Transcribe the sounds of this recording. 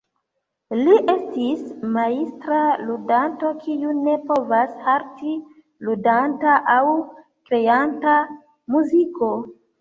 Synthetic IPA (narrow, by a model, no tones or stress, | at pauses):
liʔestismaistɾaludanto̞kʰiune̞po̞vashaɾti | ludantaʔaw | kɾe̞anta | muziko̞